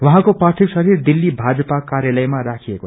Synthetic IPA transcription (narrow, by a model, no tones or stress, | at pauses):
waɦãkoparʈʰiksʌɾird̪ilːibʱad͡zʌpakaɾjalʌjmaɾakʰijeko